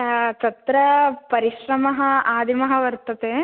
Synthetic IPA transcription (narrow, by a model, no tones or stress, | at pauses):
t̪ɐt̪ɾɐpɐɾiʃɾɐmɐɦɐaːd̪ʱimɐɦɐʋɐɾt̪ɐt̪eː